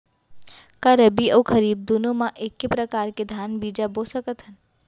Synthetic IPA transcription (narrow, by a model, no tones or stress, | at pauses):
kaɾəbiəwkʰəɾiːb̚d̪unomãʔeːkːepɾəkaːɾked̪ʱaːnbiːd͡ʒabosəkət̪ɦən